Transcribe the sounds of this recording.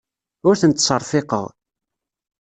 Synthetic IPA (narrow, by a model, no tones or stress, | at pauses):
ʊɾθənt̪sˤəɾˤθɪqə̰ʁ